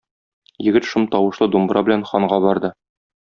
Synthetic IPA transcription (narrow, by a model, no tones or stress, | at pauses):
jɘ̆ɡɘt̪ʃɤmt̪ɒwɤ̆ʃlˠɤd̪umbɾɑbɘ̆lænχɒɴʁɑbɒɾd̪ɤ